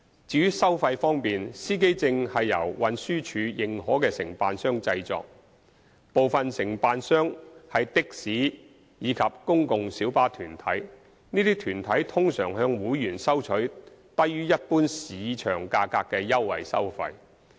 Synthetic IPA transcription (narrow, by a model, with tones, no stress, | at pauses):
t͡siː˧˥jyː˥sɐ˥wfɐ˧jfɔː˥ŋpiː˨nsiː˥ke˥jt͡sɪ˧ŋhɐ˨jːɐ̰˨˩wwɐ˨˧nsyː˥t͡ʃʰyː˨˧jɪ˨ŋɦɔː˨˥kɛː˧sɪ˨˩ŋpaː˨nsœː˥ŋt͡sɐ˧jt͡sɔ̰ː˧k̚ | po˨˧wfɐ˨nsɪ˨˩ŋpaː˧nsœː˥ŋhɐ˨jt̪ɪ˥k̚siː˨˥ | jiː˨˧kʰɐ˨p̚kʊ˥ŋkʊ˨ŋsiː˨˥wpaː˥t̪ʰyː˨˩nt̪ʰɐ˨˥j | niː˥t̪iː˥t̪ʰyː˨˩nt̪ʰɐ˨˥jt̪ʰʊ˥ŋsœː˨˩ŋɦœː˧ŋwuː˨˥jyː˨˩nsɐ˥wt͡ʃʰɵ˨˥ɥt̪ɐ˥jjyː˥jɐ˥t̚puː˥nsiː˨˧˦t͡ʃʰœː˨˩ŋkaː˧kːaː˧kːɛː˧jɐ˥wːɐ̰˨jsɐ̰˥wfɐ̰˧j